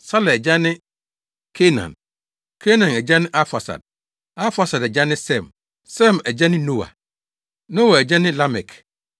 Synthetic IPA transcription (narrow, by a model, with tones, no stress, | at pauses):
sa˦lɛ˨ɛ˨d͡ʑa˦nɪ̃˦ | kʰe˦nã̰˨n | kʰe˦nã˨nɛ˨d͡ʑa˦nɪ̃˦ʔa˦fa˨sa̰˨d̚ | a˦fa˨sa˨dɛ˨d͡ʑa˦nɪ̃˦sɛ̃˦˨m | sɛ˦˨mɛ˨d͡ʑa˦nɪ̃˦no˦wa̰˨ | no˦wa˨ɛ˨d͡ʑa˦nɪ̃˦la˦mɛ˨kʰ